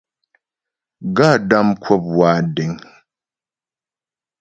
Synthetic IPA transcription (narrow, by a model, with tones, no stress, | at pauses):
ɡa˦˨da˦mkʰwɔ˦p̚waː˦dɛ˨˦ŋ